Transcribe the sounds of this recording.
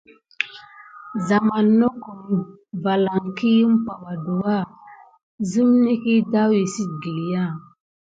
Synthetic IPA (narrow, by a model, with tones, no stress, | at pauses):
za˨ma˨nːo˦ko˨ɾi˦ | va˨la˨ŋki˦ji˦m˦pa˨ɓa˨do˨wa˦˨ | zi˦mne˦ki˦da˦wi˨si˦t̚ɡi˨li˨ja˦˨